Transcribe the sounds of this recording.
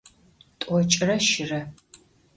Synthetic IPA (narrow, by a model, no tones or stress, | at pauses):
tʼʷɔt͡ʃʼɪrɐʃɪrɐ